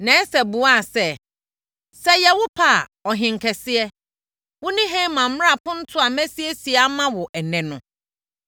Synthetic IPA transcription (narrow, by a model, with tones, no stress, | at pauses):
nɛ̃˨˦sɛ˨bu˨a˦˨sɛ˦ | sɛ˦jɛ˨wʊ˦pʰa˦˨ɔ˨ɦɪ̃˨ŋ˨kʰɛ˨sɪ˦ɛ˦ | wʊ˦nɪ̃˦ɦẽ˦mã˨m̩˦a˦˨pʊ̃˦n̩˦tʰʊ˦a˨mæ̃˦si˦ɛ˦si˨a˦mã˦wɔ˨ʔɛ˨nɛ̃˨nʊ̃˨